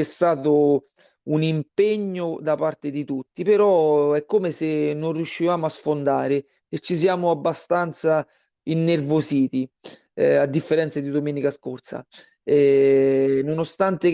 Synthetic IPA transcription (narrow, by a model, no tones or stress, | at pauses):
ɛst̪aːt̪ʊ | unimpeɲːʊd̪apart̪ɪd̪it̪ut̪ːipeɾɔɛkːomesenonrjuʃːivaːmʊasfond̪aːɾɪː | t͡ʃːis̬jaːmʊabːast̪ant̪sa | inːervosiːt̪i | ad̪ːifːeɾɛnt̪sad̪id̪omɛːnikaskort̪sa̰ | ɛ | nonost̪ant̪e